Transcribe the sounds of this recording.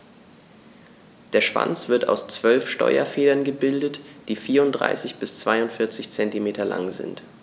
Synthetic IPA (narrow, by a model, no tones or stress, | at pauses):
d̥eːɐʃv̥a̰nt͡sv̥ɪɐta̰ʊst͡sv̥œlfʃtɔ̰ʏɐ̰feːdɐnɡəbɪldətd̥iːfiːɐʁʊntd̥ʁa̰ɪsɪçb̥ɪst͡sv̥aɪʊntfɪɐt͡sɪçt͡sɛntimeːtʰɐla̰ŋzɪ̰nt